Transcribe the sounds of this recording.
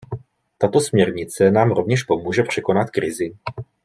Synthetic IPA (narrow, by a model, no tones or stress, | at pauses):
t̪at̪o̞smɲɛɾɲɪt͡sɛnaːmɾo̞vɲɛʃpo̞muːʒɛpr̝̥ɛko̞nat̪kɾɪzɪ